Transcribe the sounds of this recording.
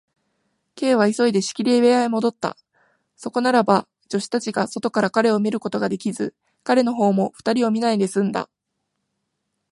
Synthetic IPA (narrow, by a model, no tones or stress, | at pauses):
ke̞ːβ̞aiso̞id̪e̞ɕi̥kʲiɾʲieβeaimo̞d̪o̞t̪ːa̰ | so̞ko̞naɾaba | d͡ʑo̞ɕi̥t̪at͡ɕiɡaso̞t̪o̞kaɾakaɾe̞o̞mʲiɾɯ̟ko̞t̪o̞ɡad̪e̞kʲizɨ | kaɾe̞no̞ɦo̞ːmo̞ɸɯ̥t̪aɾʲio̞mʲinaine̞sɨ̃nd̪a̰